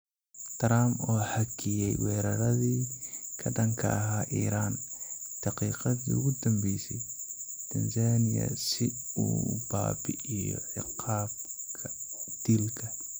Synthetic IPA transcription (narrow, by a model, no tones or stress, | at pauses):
t̪ʰɾaːmɔːħɐkʰɪjɛjwɛːɾɐɾɐðiːkʰɐdɐŋkʰɐ̰ɐɦaːʔiːɾaːnd̪̥ɑqiːqɑðiʊɣʊd̪ɐmbɛjsɛj | t̪ʰɐnsaːnɪjɐ̰sɪṵːba̰ːbɪʔɪjɔ̰ʕɪqɑːb̚kʰɐd̪̥ilkʰɐ